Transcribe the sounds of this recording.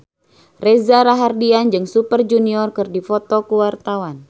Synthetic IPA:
rezaɾaɦardiand͡ʒɨŋsupərd͡ʒuniɔrkɨrdifɔt̪ɔkuwart̪awan

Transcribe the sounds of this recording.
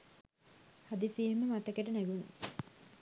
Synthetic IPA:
had̪isiːeməmat̪ɐkeʈənæɡun

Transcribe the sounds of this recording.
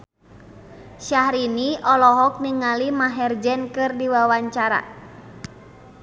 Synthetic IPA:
ʃahɾiniɔlɔɦɔk̚niŋalimaɦɛrd͡ʒɛnkɨrdiwawaɲt͡ʃaɾa̰

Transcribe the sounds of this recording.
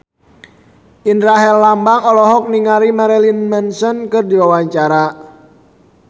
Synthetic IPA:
ʔindɾaɦɛlːambaŋɔlɔɦɔk̚niŋaɾimaɾɛlinmɛnsɔnkɨrdiwawaɲt͡ʃaɾa

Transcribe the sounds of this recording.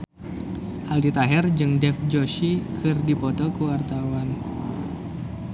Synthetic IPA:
haldit̪aɦɛrd͡ʒɨŋdɛfd͡ʒoʃikʰɨrdipɔt̪ɔkəwart̪awan

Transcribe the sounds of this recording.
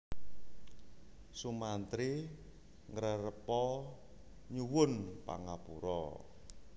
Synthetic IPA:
sumant̪ɾi | ŋəɾəɾəpɔ | ɲuwʊnpa̰ŋapuɾɔ̰

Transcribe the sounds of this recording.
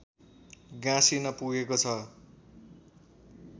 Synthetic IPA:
ɡãsinʌpuɡekot͡sʰʌ

